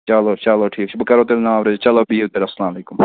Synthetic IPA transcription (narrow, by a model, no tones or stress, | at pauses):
t͡ʃɐloːt͡ʃɐloːʈʰiːkt͡ʃʰbəkəɾoːt̪eːɾenãːmɾed͡ʒt͡ʃɐloːbʱiːt̪eːɾɐslãːmleːkʊm